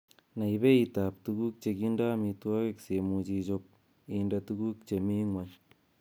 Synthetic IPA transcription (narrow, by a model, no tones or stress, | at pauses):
naiβeit̪ap̚tuɡuk̚t͡ʃekindamit̪wakeksemut͡ʃit͡ʃop̚ | indatuɡuk̚t͡ʃemiŋwan